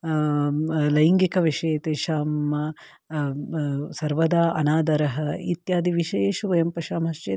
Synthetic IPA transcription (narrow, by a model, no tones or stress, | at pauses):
lɐjiŋɡikɐʋiʂɐjɐt̪eːʃaːmːɐ | sɐɾʋɐd̪aːʔɐnaːd̪ɐɾɐɦɐit̪jaːd̪iʋiʃeeːʃuʋɐjɐmpɐʃaːmɦɐʂt͡ʃeː